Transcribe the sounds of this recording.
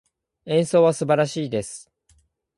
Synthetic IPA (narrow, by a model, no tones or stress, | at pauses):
ẽ̞ɰ̃so̞ːβasɨbaɾaɕiːd̪e̞sɨ̥